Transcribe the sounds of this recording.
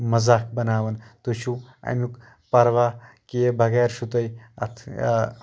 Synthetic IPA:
mɐzaːkʰbɐnaːʋɐnt̪uʃʰuɐ̰muk | pɐɾʋaːkijebʱɐɡeːɾʃut̪ɐjɐ̰t̪ʰ

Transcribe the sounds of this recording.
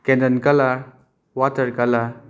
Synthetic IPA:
kɛ̃ndənkəla | wat̪əɾkala

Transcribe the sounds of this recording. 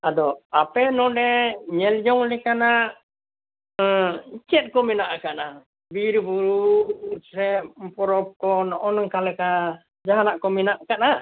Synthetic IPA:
ad̪ɔapɛnɔdɛɲɛld͡ʒɔŋlikana | t͡ʃɛt̪̚kɔminaʔakaʔna | biɾbuɾu | sɛmpɔɾɔp̚kɔnɔʔɔnŋkalɛka | d͡ʒaɦanaʔkɔminaʔkaʔna

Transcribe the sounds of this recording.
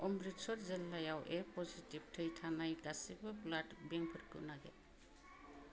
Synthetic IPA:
ɔmɾitsɔtzelːajawʔepɔzitib̚tʰɯjtʰanajɡasibɯplatbeŋpʰɯɾkɯ̰naɡḛ

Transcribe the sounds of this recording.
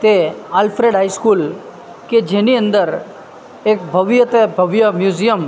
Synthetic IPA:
t̪eaːlfɾeːɖɦaːiskuːl | ked͡ʒeniə̃nd̪əɾ | eːk̚bʱɐʋjət̪ebʱɐʋjəmjuːzijəm

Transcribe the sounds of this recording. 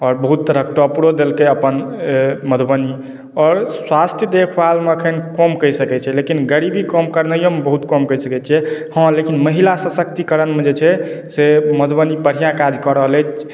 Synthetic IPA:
ɔːɾbəɦut̪ːəɾək̚ʈɔpɽod̪elkeəpənməd̪ʱbəni | ɔːɾswast̪ʰjəd̪ekʰbalmeəkʰənkɔmkəjsəkɛt͡ʃʰɛlekinɡəɾibikɔmkəɾnəjəmebəɦut̪kɔmkəsəkɛt͡ʃʰɛhə̃lekinməɦilasəsəkt̪ikəɾənmed͡ʒet͡ʃʰɛseməd̪ʱbənipəɽ̤ijãkad͡ʒ̪ʱkɔɾəɦəlɛt͡ʃʰ

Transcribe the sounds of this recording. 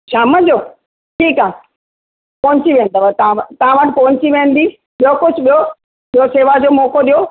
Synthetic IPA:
ʃaːməd͡ʑoː | ʈʰiːkaː | pɔɦɲt͡ɕiʋẽːnd̪aʋət̪ɐãʋət̪ɐʋãʋəʈpɐʋɲt͡ɕiʋẽːənd̪iː | ɓijokʊd͡ʑʰʱɓijo | ɓijoseːʋad͡ʑoːmɔːkoɗijo

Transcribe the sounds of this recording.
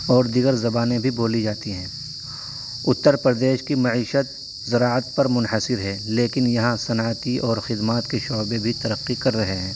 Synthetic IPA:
ɔːɾd̪iɡəɾzɐbaːnẽbʱiboːlid͡ʒaːt̪iɦɛ̃ː | ʊt̪ːəɾpɾəd̪eːʃkimɐʕiːʃət̪̚ | zɐɾaːət̪̚pɐɾmʊnɦəsɪɾɦɛːleːkɪnjɐɦãsɐnaːt̪iʔɔːɾxɪd̪maːt̪keʃɔːbebʱit̪ɐɾəqːikɐɾːɐɦeɦɛ̃ː

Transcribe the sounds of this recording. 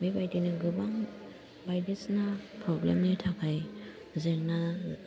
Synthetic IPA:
bejbajdinaɡɯbaŋ | bajdisnapʰɾɔblḛmnitʰakʰaj | zena

